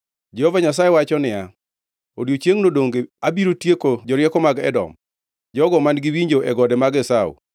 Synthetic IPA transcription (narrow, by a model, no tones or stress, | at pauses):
d͡ʒɛhovaɲasajewat͡ʃɔnɪja | odjot͡ʃeŋnodoŋɡeabiɾotjekod͡ʒɔɾjɛkɔmaɡɛ̰dɔ̰m | d͡ʒɔɡɔmanɡiwiɲd͡ʒoʔɛɡɔdɛmaɡɛsawṵ